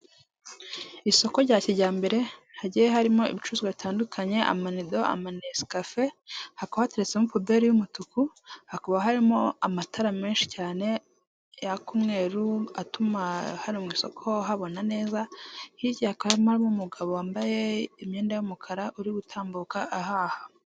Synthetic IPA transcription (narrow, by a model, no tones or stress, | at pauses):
iso̞ko̞ɾɟaːciɾɟaːmbe̞ɾe̞haɟijeɦaɾimo̞ḭβit͡ʃuzɡaβitaːndukʰaɲe̞ʔa̰manido̞ʔa̰manesi̥kafe̞hakohateɾet͡se̞mupube̞ɾijumutukuhakoβaɦaɾimo̞amatʰaɾame̞ːnʃi̥caːne̞ | jakumŋe̞ːɾuatumahaɾimwiːso̞̰kʰoɦaβo̞nane̞ːzahiɟihakoβahaimoaɾimomuɡaβowaːmbajeimɲeːndajumukʰaɾaʔuɾiɡutʰaːmbukaʔaɦaːha